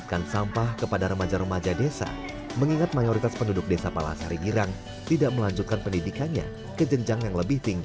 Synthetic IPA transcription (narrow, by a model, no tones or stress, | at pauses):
t̪kansampahkəpadaɾəmad͡ʒaɾəmad͡ʒadesa̰ | məŋiŋat̪̚majoɾit̪aspəndudʊk̚desapala̰shaɾiɡiɾaŋ | t̪idaʔməlaɲd͡ʒut̪̚kanpəndidikanɲa̰ | kəd͡ʒəŋd͡ʒaŋjaŋləbɪht̪iŋɡ